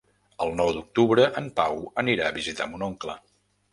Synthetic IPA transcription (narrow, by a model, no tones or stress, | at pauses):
əlˠnɔwd̪uk̚t̪uβɾəʔəmpawəniɾaəβizit̪a̰munɔŋklə̰